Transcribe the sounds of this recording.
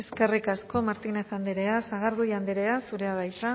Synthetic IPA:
eske̞rikasko̞maɾt̪ine̞θand̪iɾe̞asaɣ̞aɾðujand̪iɾe̞asuɾe̞aβajsa

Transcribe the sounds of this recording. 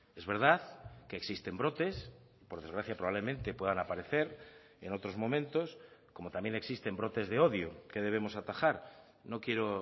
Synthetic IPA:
e̞zβe̞ɾðaðkeːksist̪e̞mbɾo̞t̪e̞s | po̞ɾðe̞zɣɾaθjapɾoβaβle̞mẽ̞nt̪e̞pwe̞ðanapaɾe̞θe̞ɾ | eno̞t̪ɾo̞zmõ̞mẽnt̪o̞sko̞mo̞t̪ambje̞ne̞ksist̪e̞mbɾo̞t̪e̞zðe̞o̞ðjokeðe̞β̞e̞mo̞sat̪axaɾ | no̞kje̞ɾo

